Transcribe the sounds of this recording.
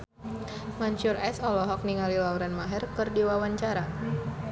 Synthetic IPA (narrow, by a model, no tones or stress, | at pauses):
maɲt͡ʃʊrɛsɔlɔɦɔk̚niŋalilauɾanmaɦɛrkɨrdiwawaɲt͡ʃaɾa